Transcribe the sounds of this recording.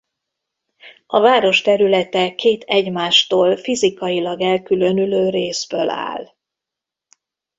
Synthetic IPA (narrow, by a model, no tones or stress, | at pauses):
ɒvaːɾo̞ʃt̪ɛɾylɛt̪ɛkʰeːt̪ʰɛɟmaːʃt̪oːlfizikɒjilɒɡɛlkylø̞nyløːɾeːzbøla̰ːl